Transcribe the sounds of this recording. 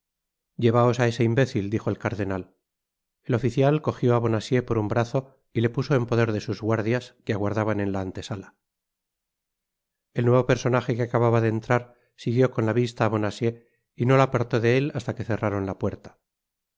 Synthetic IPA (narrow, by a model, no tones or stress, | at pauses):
ɟ͡ʝe̞β̞ao̞sae̞se̞imbe̞θild̪ixo̞e̞lkaɾðe̞nal | e̞lo̞fiθjalko̞xjo̞aβ̞o̞nasje̞po̞ɾumbɾaθo̞ | ile̞puso̞e̞mpo̞ðe̞ɾðe̞suzɣwaɾðjaskeaɣwaɾðaβane̞nlaːnt̪e̞sala | e̞lnwe̞βo̞pe̞ɾso̞naxekeakaβaβaðeːnt̪ɾaɾ | siɣjo̞ko̞nlaβist̪aːβo̞nasje̞ | ino̞lapaɾt̪o̞ðe̞elast̪ake̞θe̞raɾo̞nlapwe̞ɾt̪ḁ